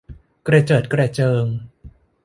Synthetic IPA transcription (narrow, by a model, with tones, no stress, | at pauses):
kɾa˧t͡ɕɤː˨˩t̪̚kɾɛ˧˩t͡ɕɤː˧ŋ